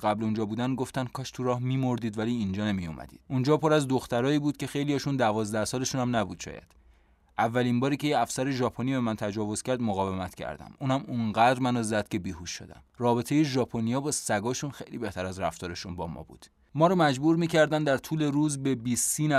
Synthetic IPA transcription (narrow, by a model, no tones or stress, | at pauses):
ɣæblund͡ʒɒːbuːd̪ænɡoft̪æn̚kʰɒːʃt̪ʰuɾɒːhmiːmo̞ɾd̪iːd̪væliːind͡ʒɒːnemijo̰mʔæ̰d̪̥iːd̥̪und͡ʒɒːpʰoɾæzd̪o̞xt̪æɾɒːiːbuːd̪̥̚ce̞xe̞jlijɒːʃund̪ævɒːzd̪æhsɒːle̞ʃuːnhæmnæbuːd̪̥ʃɒ̰ːjæ̰d̪̥ | ʔævːælinbɒːɾiːcʰe̞jeæfsæɾe̞ʒɒːpʰonibe̞mænt̪ʰæd͡ʒɒːvo̞z̥cæɾd̪moɣɒːve̞mæt̪cʰæ̰ɾd̪æ̰muːnhæmuŋɢæd̪ɾmænɒzæd̪̥cʰe̞biːhuʃːo̰d̪æ̰mrɒːbe̞t̪ʰe̞jeʒɒːpʰonijɒːbɒsæɡɒːʃunxejlḭːbe̞ht̪ʰæɾæzɾæft̪ɒːɾeʃunbɒ̰ːmɒ̰ːbṵːd̪̥ | mɒːɾɒmæd͡ʒbuɾmiːcʰæɾd̪ænd̪æɾt̪ʰuːle̞ɾuːzbe̞bisiːnæ